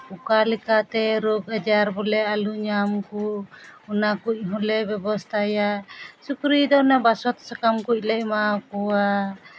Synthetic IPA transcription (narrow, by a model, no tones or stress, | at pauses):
ukalɛkat̪ɛɾɔɡad͡ʒaɾbɔlɛaluɲamkuɔnakuc̚ˀɦɔlɛbɛbɔst̪ʰajasukɾid̪ɔnabasɔt̪sakamkuc̚ˀlɛʔ̚makɔwa